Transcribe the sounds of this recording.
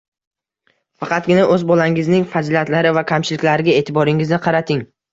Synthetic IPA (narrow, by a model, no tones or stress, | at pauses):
fɑqɑt̪̚ɡʲɪnaʔɵzbɒlaŋɪznɪŋfad͡ʒɪlat̪laɾɪvakʲʰamt͡ʃʰɪlɪkʲlaɾɪɡʲae̞ːt̪ʰɪbɒɾɪŋɪznɪqʰɑɾat̪ʰɪŋ